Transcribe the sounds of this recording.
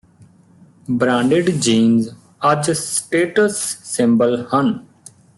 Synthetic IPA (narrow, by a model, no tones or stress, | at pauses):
bɾãːɳɖeɖd͡ʒiːnz | əd͡ʒsʈeːʈəsːɪ̃mbəlhən